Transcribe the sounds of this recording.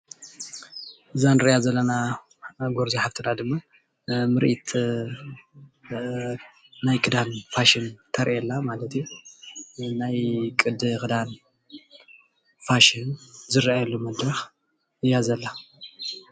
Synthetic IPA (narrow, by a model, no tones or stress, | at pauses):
ʔɨzanɨɾɨjazɐlːɐna | ɡoɾziħabt̪ʰɨnad̪ɨmːa | mɨɾʔit̪ | najkʰɨd̪anfaʃɪnt̪ʰɐɾʔɛlːamalɐt̪ju | najkʼɨd̪ɨkɨd̪an | faʃɪnzɨɾajɐlːumɐd̪ɾɐx | ɨjːazɐlːa